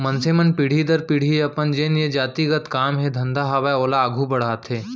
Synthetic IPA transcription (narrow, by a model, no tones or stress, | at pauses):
mɐnseːmənpiɽ̤id̪ɐɾpiɽ̤ieɐpənd͡ʒeːned͡ʒaːt̪iɡət̪kaːmɦed̪ʱɐ̃nd̪ʱaɦɐʋajoːlaːɡʱubɐɽ̤aːt̪ʰɦeː